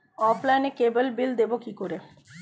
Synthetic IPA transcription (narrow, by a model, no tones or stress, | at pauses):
ɔplajnekebəlbild̪ebokikoɾe